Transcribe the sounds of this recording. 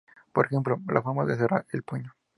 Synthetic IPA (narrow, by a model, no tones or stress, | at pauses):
po̞ɾexe̞mplo̞lʔafoɾmaðes̬eraɾelpuɲo